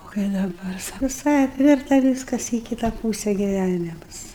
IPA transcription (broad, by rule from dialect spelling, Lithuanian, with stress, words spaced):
oː kɐɪ dɐˈbɐr sʊʋʲɪˈsɐɪ ɐpʲˈʋʲɪrtɐ ʋʲiːskɐs iː ˈkʲiːtɐ ˈpuːsʲɛ ɡʲɪˈʋʲænʲɪmʊs